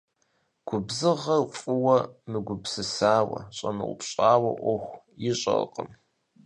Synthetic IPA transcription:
ɡ̥ʷʊbzɨʁɐqʷʼʊwɐmɨɡʷʊbsɨsaːwɐ̰ɕʼɐnɨwʊ̰pɕʼaːwɐ̰ʔʷɔxʷ | jɪɕʼɐ̰qʼəm

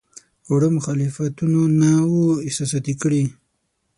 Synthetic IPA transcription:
oɽəmʊxalɪfat̪unonawoɪsasat̪ikɽi

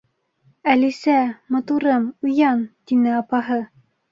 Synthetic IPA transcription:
ælisæmŏt̪uɾɤmujɑnt̪inɘɑpɑɦɤ

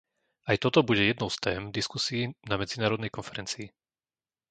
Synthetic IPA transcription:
ajt̪ɔt̪ɔbuɟɛjɛd̪nɔʊst̪ɛːmd̪iskusiːnamɛd͡zinaːɾɔd̪nɛjkɔnfɛɾɛnt͡siː

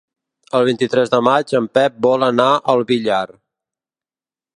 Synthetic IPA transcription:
əlˠβint̪it̪ɾɛzðəmad͡ʒəmpɛp̚bɔlənaʔəlˠβiʎar

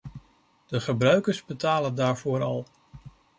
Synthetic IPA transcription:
d̥əχəbrœɥkəɹzbətaːləndaːɹv̥ʊːɾɑlˠ

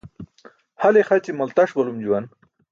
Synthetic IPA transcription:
halexat͡ɕimɐlt̪aʂbɐlumd͡ʑuwan

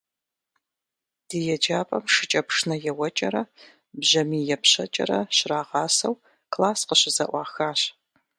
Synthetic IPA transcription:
d̥ijɛd͡ʒaːpʼɐmʂɨt͡ʃʼɐpʂnɐjɛwɐt͡ʃʼɐɾɐ | bʑɐmiːjɛpʰɕɐ̰t͡ʃʼɐ̰ɾɐɕɪraːʁɑːsɐw | kʰlaːsqəɕɪzɐ̰ʔʷɑːxaːɕ

